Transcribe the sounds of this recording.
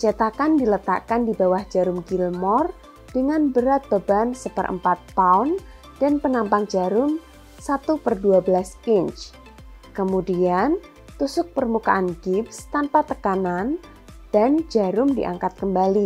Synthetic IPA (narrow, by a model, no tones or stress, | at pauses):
t͡ʃat̪akandilət̪a̰kandibawahd͡ʒaɾʊmɡilmɔr | d̥əŋanbəɾat̪̚d̪obansəpərʔə̰mpat̪̚paʊn | d̥anpənampaŋd͡ʒaɾʊm | sat̪upərduabəlaskɪɲt͡ʃ | kəmudian | t̪usʊk̚pərmuka̰ʔanɡɪpst̪anpat̪əkanan | d̥and͡ʒaɾʊmdiʔa̰ŋkat̪̚kəmbali